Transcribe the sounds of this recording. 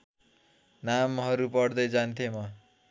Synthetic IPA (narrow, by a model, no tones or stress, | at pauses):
namɦʌɾupʌɽd̪ʌjd͡zant̪ʰemʌ